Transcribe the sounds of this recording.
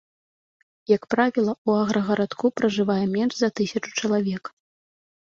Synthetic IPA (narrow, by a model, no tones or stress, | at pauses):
jɐkpɾavʲilˠɐuaɣɾɐɣɐɾat̪kupɾɐʐɨvajɛmʲɛnʐzɐt̪ɨsʲɐt͡ʂu̥t͡ʂɐlˠavʲɛk